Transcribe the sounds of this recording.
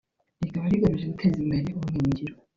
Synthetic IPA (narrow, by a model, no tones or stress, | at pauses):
niɡaβaɾiɡaɾuʒeɡutʰezimbeɾeuuŋiːɲɟiɾo